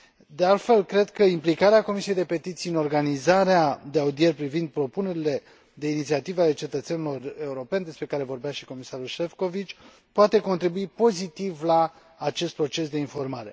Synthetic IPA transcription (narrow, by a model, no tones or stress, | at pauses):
d̪e̞alt̪fe̞lkɾe̞d̪kəimplikaɾeako̞misijejd̪e̞pe̞t̪it̪siɨno̞rɡanizaɾead̪eaud̪ie̞rʲpɾivind̪̚pɾo̞pune̞ɾile̞ | d̪e̞init̪siat̪iveale̞t͡ʃe̞t̪ət̪senilo̞re̞uɾo̞pe̞nd̪espɾe̞kaɾe̞vo̞rbeaʃiko̞misaɾulʃe̞fko̞vit͡ʃʲ | poat̪e̞ko̞nt̪ɾibuipo̞zit̪ivlaː | t͡ʃe̞st̪pɾo̞t͡ʃe̞sd̪e̞info̞rmaɾe̞̰